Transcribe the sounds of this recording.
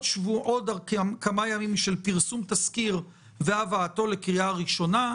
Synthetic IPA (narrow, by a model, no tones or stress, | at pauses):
ʃvuʔod̪aʁkkamajamimːiʃelpiʁsumt̪askiʁ | veavaːto̞lekʁiaaʁiʃo̞na